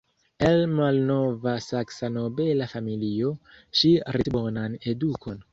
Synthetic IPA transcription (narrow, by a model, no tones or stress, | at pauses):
elmalno̞vasaksano̞be̞lafamilio̞ʃiɾibo̞nane̞dukʰo̞n